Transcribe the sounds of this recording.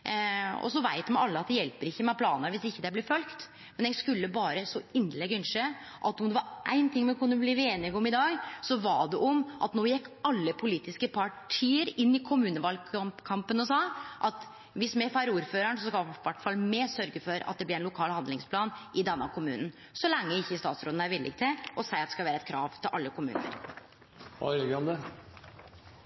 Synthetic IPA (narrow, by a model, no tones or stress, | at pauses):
ɔ̰sɔʋæɪt̪mɛæɪɑlːəɑt̪d̪ɛjɛlpəɾɪçːəmɛpʰlɑːnəɾʋɪsɪçːəd̪ɛblɪfœlkt̪ | mɛnjɛɡskʉlːəbɑːɾəsɔɪnːlɛɡʏnʂe | ʔɑ̰t̪ɔmd̪ɛʋɑɾʔæ̰ɪnt̪ʰɪŋːmɛkʰʊnːəbliːʋeːnɪɡɔmɪd̪ɑːɡsɔʋɑɖɛʔɔmʔɑt̪noːjɛkːɑlːəpʰʊliːt̪ɪskəpʰɑʈʰiːəɾɪnːɪkʰʊmʉːnəʋɑlkʰɑmpənɔsɑːʔɑt̪ | ʋɪsmɛfɑɾuːɾføːɾəɳsɔskɑʋæʈːfɑlːmeːsœɾɡəfɔɾɑ̰t̪d̪ɛblɪɾænlʊkʰɑːlhɑnd̪lɪŋspʰlɑːnɪd̪ɛnːəkʰʊmʉ̰ːnn | sɔlɛŋːəɪçːəɪst̪ɑːt̪sɾoːd̪n̩æɾʋɪlːʔɪ̰kt̪ʰɪlɔsæɪɑt̪ɛ̥skɑlʋæːɾəɛt̪̚kʰɾɑ̰ːʋt̪ʰɪlʔɑlːəkʰʊmʉ̰ːnə̰ɾ | ɑ̰ʋɪlɪɡɔmd̪ɛ